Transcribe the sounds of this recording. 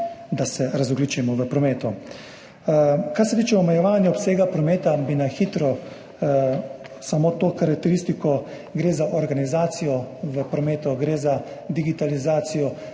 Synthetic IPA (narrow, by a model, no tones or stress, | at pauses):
d̪asɛɾazɔɡlit͡ʃimɔʋəpɾɔmeːt̪ɔ | kaɾsɛt̪iːt͡ʃɛɔmɛjɛʋaːnjɛɔpseːɡapɾɔmeːt̪abinaxiːt̪ɾɔ | samoːt̪oxaɾak̚t̪ɛɾist̪ikɔ | ɡɾeːzaʔɔɾɡanizaːt̪sijɔʋəpɾɔmeːt̪ɔɡɾeːza | d̪iɡit̪alizaːt̪sijɔ